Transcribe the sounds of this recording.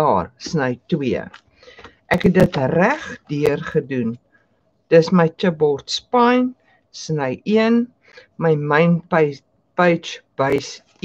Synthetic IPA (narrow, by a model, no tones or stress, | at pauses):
ɑ̰ːrsnəjtwiə̰ | ʔækɦɛt̚dətræχdiərχədun | d̥əsməjt͡ʃəbɔrtspɐjn | snəjiən | məjmɐjn | pəjt͡ʃb̥əjs